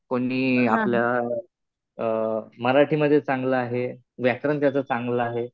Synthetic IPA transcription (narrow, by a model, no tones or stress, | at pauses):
koɽiːaplja | məɾaʈʰiːməd̪ʱːjet͡saŋɡləaɦe | ʋjækɾənt̪jat͡sət͡saŋɡləaɦe